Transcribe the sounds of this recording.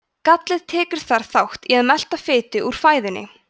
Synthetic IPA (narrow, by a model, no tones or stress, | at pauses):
kat̪lɪðt̪ʰɛːkʏɾ̥θaɾ̥θawht̪iaðmɛl̥t̪afɪːt̪ɪʔuɾ̥faːjðɪnːɪ̰